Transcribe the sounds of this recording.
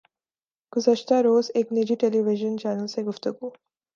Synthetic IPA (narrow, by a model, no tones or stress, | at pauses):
ɡ̥ʊzəʃt̪aɾoːzeːknid͡ʑiʈeliʋɪʒənt͡ʃaːnəlseɡʊft̪uɡu